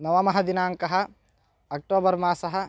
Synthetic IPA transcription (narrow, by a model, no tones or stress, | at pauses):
nɐʋɐmɐɦɐd̪inaːŋkɐɦɐ̆ | ɐk̚ʈoːbɐɾmaːsɐɦɐ̆